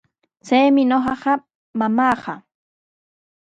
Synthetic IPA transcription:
t͡sajmɪɲoɢɑɢɑ | mamɑːɢɑ

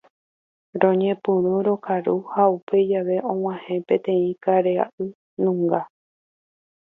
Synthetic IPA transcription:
ɾõ̞ɲẽ̞pɨ̃ɾũɾo̞kaɾuhaupe̞d͡ʒaʋe̞ʔõ̞w̃ãhẽ̞pẽ̞t̪ẽ̞ĩkaɾea̰ʔɨ | nũŋɡa

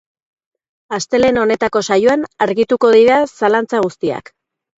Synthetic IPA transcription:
ast̪e̞le̞no̞ne̞t̪ako̞sajuanaɾɣit̪uko̞ð̞iɾasalant͡saɣ̞ust̪ia̰k

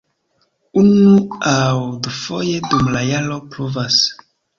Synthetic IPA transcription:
unuawdufoje̞dumlajalopluvas

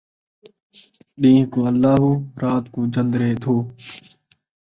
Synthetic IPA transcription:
ɗĩːɦkoːəlːaːɦuːɾaːt̪koːd͡ʒənd̪ɾeːt̪ʰoː

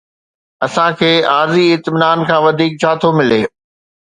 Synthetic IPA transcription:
ɐsãkʰeːaːɾziɪt̪mɪnaːnkʰãːʋɐd̪ʱiːk̚t͡ɕʰaːt̪ʰomɪleː

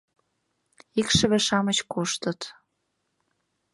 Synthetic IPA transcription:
ikʃə̆βĕʃɑmət͡ɕkoʃt̪ə̆t̪

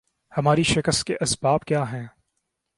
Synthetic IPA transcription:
hɐmaːɾiʃɪkəst̪̚keʔɐsbaːbkjaːɦɛ̃ː

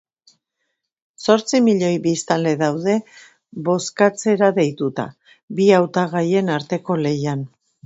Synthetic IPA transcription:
so̞ɾt͡simiʎo̞jβist̪ald̪e̞ðawðe̞ | βo̞skat͡se̞ɾaðe̞jt̪ut̪a̰ | biawt̪aɣ̞aje̞naɾt̪e̞ko̞le̞jan

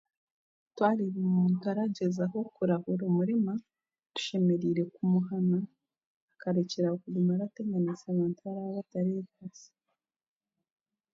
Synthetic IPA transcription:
twaːɾiβumuːntuaɾaɟe̞zaɦo̞kuɾahuɾumuɾima | tu̥ʃe̞me̞ɾiɾe̞kumuɦanaː | kaɾeceɾaokuɡumaɾate̞ɡanit͡saβaːntuβaɾaβaβataɾeβaze̥

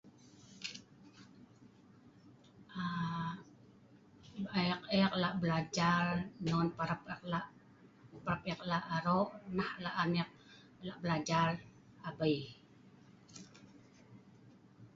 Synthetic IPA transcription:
ʔa | aqɛk̚laʔbəlad͡ʒarnɔnpaɾapklaʔ | paɾap̚ɛklaʔaɾoʔnahlaʔanɛk̚ | laʔbəlad͡ʒar | abəj

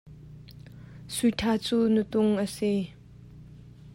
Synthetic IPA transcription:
sutʰat͡sunut̪uŋəse

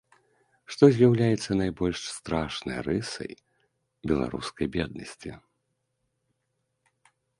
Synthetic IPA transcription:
ʂt̪ɔzʲjawlʲajɛt̪sːɐnajbɔlʲʂst̪ɾaʂnɐ̰jrɨsɐ̰j | bʲɛlˠa̰ɾṵskɐjbʲɛd̪̚nɐsʲt͡sʲḭ

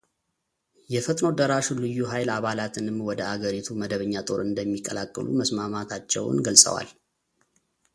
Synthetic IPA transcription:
jɛfət̪ʼno̞d̪əɾaʃulɨjːuɦajlaβalat̪ʰɨnɨmwɔd̪əʔaɡəɾit̪ʰuməd̪əβəɲːat̪ʼo̞ɾɨnd̪əmːikʼːəlakʼːɨlṵməsmamat̪ʰat͡ʃːɛ̰w̰nɡəlsʼə̰wa̰l

